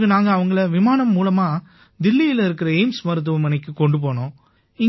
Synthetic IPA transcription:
kːɯnaːŋɡɐːʋɐŋɡɐɭɐʋɪmaːnɐmːuːlɐmaː | d̪ɪlːɪjɪlɪɾɯkːɪɾɐeɪmsmɐɾɯt̪̬ːɯʋɐmɐnɐɪkːɯkɔɳɖɯp̬oːnõː | ɪŋ

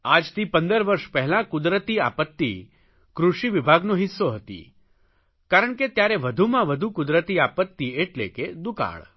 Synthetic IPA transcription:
ad͡ʒt̪ʰipə̃nd̪əɾʋəɾʃpɛɦɛlãkʊd̪ɾət̪ia̰pət̪ːḭ | kɾuʃiʋibʱaɡnoɦɪsːoɦət̪ḭ | kaɾəɳket̪jaɾeʋəd̪ʱumãʋəd̪ʱukʊd̪ɾət̪iapət̪ːieʈlḛked̪uka̰ɭ

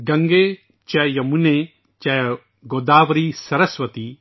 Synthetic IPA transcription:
ɡɐŋɡeː | t͡ʃɛjɐmune | t͡ʃɐ | ɡoːd̪aːʋɾisɐɾɐsʋɐt̪i

